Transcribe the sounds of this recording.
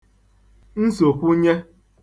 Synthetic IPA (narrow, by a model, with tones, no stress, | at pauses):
n̩˦so˨pu˦ɲe˦